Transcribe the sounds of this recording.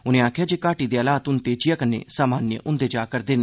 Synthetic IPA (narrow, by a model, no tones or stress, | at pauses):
ʊnẽːaːkʰjaːd͡ʒeːkaːʈiːd̪eːəlaːt̪ʊnt̪eːd͡ʒɪjaːkənḛːsaːmaːnjə̰ʔʊnd̪eːd͡ʒaːkəɾd̪ɪn